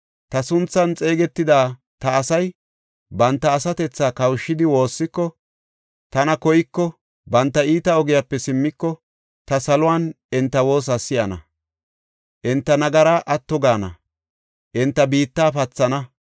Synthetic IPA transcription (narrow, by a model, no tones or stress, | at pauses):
t̪ɐsʊnt͡sːɐnt͡sʼe̞ːɡɛt̪ːɪd̪aː | t̪ɐːsɐj | bɐnt̪ːɐːsɐt̪ɛt͡sːaːkɐwʃːɪd̪ɪwo̞ːsːɪkːɔ | t̪ɐnɐkɔjɪkːɔ | bɐnt̪ːɐiːt̪ɐɔɡɪjapːɛsɪmːɪkːɔ | t̪ɐsɐlʊwan | ɛnt̪ːɐwo̞ːs̬asɪjɐnɐ̰ | ʔɛnt̪ːɐnɐɡɐɾaʔɐt̪ːɔɡaːnɐ̰ | ʔɪnt̪ːɐbiːt̪ːaːpɐt͡sːɐnɐ